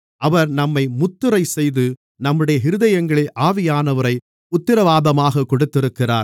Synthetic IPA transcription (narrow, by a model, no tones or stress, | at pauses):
ʔɐʋɐɾnɐmːɐɪmʊt̪ːɯɾɐɪsɛjðɯ | nɐmːɯɽɐjɐɦɪɾɯðɐjɐŋɡɐɭɪlʔaːʋɪjaːnɐʋɐɾɐɪ | ʊt̪ːɪɾɐʋaːðɐmaːɣɐkːɔɽɯt̪ːɪɾɯkːɪra̰ːɾ